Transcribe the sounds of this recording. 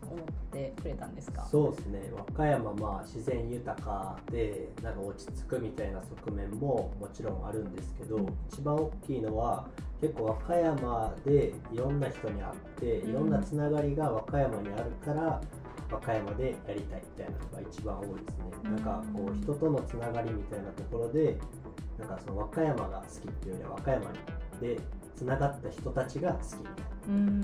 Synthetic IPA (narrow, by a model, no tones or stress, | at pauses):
omot̪ːekɯ̟ɾet̪ãnd̪esɨ̥ka̰so̞ːdesɨne̞̰βakajamamaːɕizẽ̞ɰ̃jɯ̟t̪akad̪̥e̞nãŋkao̞t͡ɕi̥t͡sɨ̥kɯ̟mʲit̪ainaso̞kɯ̟mẽ̞mːo̞mo̞t͡ɕiɾõ̞ɰa̰ɾɯ̟̃nd̪e̞sɨ̥ke̞d̪o̞it͡ɕibãɰ̃o̞kʲːiːno̞βake̞kːo̞ːβ̞akajamad̪e̞ | iɾõ̞nːaçʲi̥t̪o̞ɲ̟ia̰t̪ːe̞iɾõ̞nːat͡sɨnaɡaɾʲiɡaβakajamaɲ̟iaɾɯ̟kaɾa | βakajamad̪e̞jaɾʲit̪aimʲi̥t̪ainaç̥t̪oɡa̰it͡ɕibã̰o̞ːid̪e̞sɨne̞nãŋkako̞ːçi̥t̪o̞t̪o̞no̞t͡sɨnaɡaɾʲimʲit̪ainat̪o̞ko̞ɾo̞d̪e̞ | nãŋkaso̞no̞β̞akajama̰ɡa̰sɨ̥kʲit̪ːejoɲ̟ḭa̰βakajama̰ɲḭd̪̥e̞t͡sɨnaɡat̪ːaçi̥t̪o̞t̪at͡ɕiɡasɨ̥kʲimʲit̪ai̥